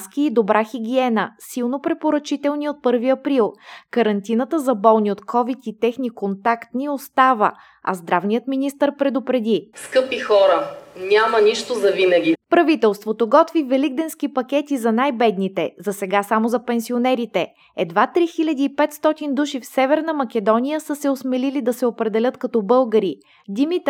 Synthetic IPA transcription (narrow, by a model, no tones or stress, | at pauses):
skiid̪obɾʔaxiɡʲiɛnəsilˠnopɾɛpoɾɐt͡ʃit̪ɛlˠniot̪̚pɤɾviɐpɾilˠkəɾɐnt̪inət̪əzɐbɔlˠniot̪kʰɔvit̪it̪ɛxnikont̪akt̪niost̪avə̰ | ɐ̰zd̪ɾavnijət̪minist̪əɾpɾɛd̪opɾɛd̪iskɤpixɔɾənʲamɐniʃt̪ozɐvinəɡʲipɾɐvit̪ɛlˠst̪vot̪oɡɔt̪vivɛliɡd̪ɛnsk̟ipɐk̟ɛt̪izɐnajbɛd̪nit̪ɛzɐsɛɡasamozɐpɛnsionɛɾit̪ɛ | ɛd̪vat̪ɾixilʲɐd̪iːpɛt̪st̪ɔt̪ind̪uʃifsɛvɛɾnəmɐkɛd̪ɔnʲijəsɤsɛosmɛlilid̪ɐsɛopɾɛd̪ɛlʲɤt̪kɐt̪ɔbɤlˠɡəɾi | d̪ʲimit̪